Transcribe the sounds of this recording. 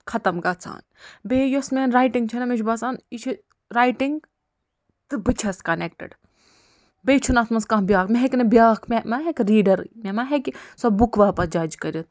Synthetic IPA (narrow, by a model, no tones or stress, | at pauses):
kʰɐt̪ɐmɡɐt͡sʰa̰ːn | beːjosmʲeːnɾaːjʈiŋɡt͡ʃʰɐnɐmid͡ʒʰbɐsaːnit͡ʃʰi | ɾaːjʈiŋɡ | t̪ɨbɨt͡ʃʰɐskɐnek̚ʈɐ̰ɖ | bet͡ʃʰunɐt̪ʰmɐnskãɦbʲjaːkmʲeɦeknɐbjaːkʰmʲemɐɦekɾiːɖɐɾmʲemɐɦekisɐbbukʋaːpɐd͡ʒɐːd͡ʒkɐɾit̪̚